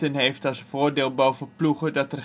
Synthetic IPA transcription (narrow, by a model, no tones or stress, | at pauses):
ənɦejftɑlˠsfoːɹdɪːlˠbowvəpluχədɑtər